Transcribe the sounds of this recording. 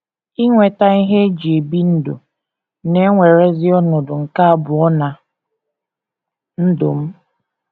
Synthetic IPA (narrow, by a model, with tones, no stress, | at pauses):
i˦ŋʷe˨ta˦i˦ɦe˦d͡ʒi˨e˨bi˦n̩˦dʊ̰˨ | ne˦ŋʷe˨ɾe˦zɪ˦ɔ˦nʊ˨dʊ˨ŋ̩˨ka˦a˦bʊ˨ɔ˦na˨ | n̩˦dʊ̰˨m̩˦